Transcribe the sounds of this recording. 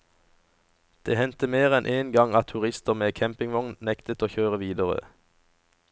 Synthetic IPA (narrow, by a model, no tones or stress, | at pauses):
d̪̥eːhɛnt̪əmeːʁɛnʔeːnɡɑŋɑt̪ʰʉʁɪst̪əʁmeːkʰɛmpɪŋʋɔŋnnɛkt̪ət̪oːçøːʁəʋiːd̪əʁə̰